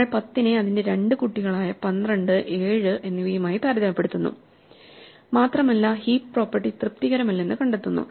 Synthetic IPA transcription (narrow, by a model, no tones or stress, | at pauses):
ɐɭpɐt̪ːine̞ɐðinde̞ɾe̞ɳɖɨkuʈːiɣɐɭaːjɐpɐnrɐɳɖɨʔe̞ːɻɨʔe̞nːiʋijɐmaːjip̪aːɾɐðɐmɐpːe̞ɽut̪ːunːṵ | maːt̪rɐmɐlːɐhiːppro̞ːpːɐrʈːit̪rɨp̚t̪iɣɐɾɐmɐlːenːɨkɐɳɖet̪ːunːṵ